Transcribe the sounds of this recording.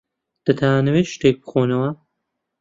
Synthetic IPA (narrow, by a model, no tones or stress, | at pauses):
d̪̥ɐt̪ʰanɐweʃt̪eːk̚bɨ̥xoːnɐwɐ